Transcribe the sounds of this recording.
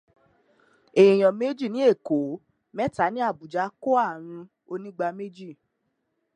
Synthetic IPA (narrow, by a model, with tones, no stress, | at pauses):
e˨j̃ɔ̃˨me˦d͡ʒi˦˨nĩ˨˦e˦˨ko˨˦ | mɛ˦ta˨˦nĩ˦a˦˨bu˨d͡ʒa˨˦ko˦a˦˨ɾ̃ũ˧ | o˧nĩ˦ɡ͡ba˧me˦d͡ʒi˦˨